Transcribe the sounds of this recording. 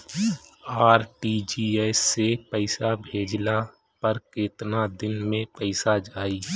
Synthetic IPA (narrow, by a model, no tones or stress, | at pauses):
aːɾʈid͡ʒiɛsːepəɪsabʱeːd͡ʒla | pəɾkɪt̪nad̪ɪnmẽpəɪsad͡ʒaːiː